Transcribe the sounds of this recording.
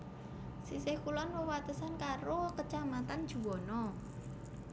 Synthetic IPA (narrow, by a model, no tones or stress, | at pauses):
sisehkulɔnwəwat̪əsankaɾokət͡ʃamat̪an̥ʒ̥ṳwɔnɔ